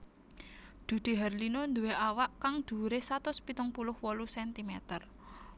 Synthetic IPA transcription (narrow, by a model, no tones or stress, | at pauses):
d̪̥ṳɖ̪̥e̤ɦərlinond̪uweʔawaʔkaŋd̪̥ṳɾesat̪ʊspit̪ʊŋpulʊhwɔlusɛnt̪imɛt̪ər